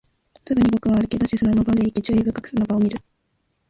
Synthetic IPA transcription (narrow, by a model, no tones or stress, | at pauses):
sɨɡɯ̟ɲ̟ibo̞kɯ̟βaːɾɯ̟ked̪oɕisɨnanobad̪eikʲit͡ɕɨːibɯ̟kakɯ̟̥sanobaomʲiɾɯ̟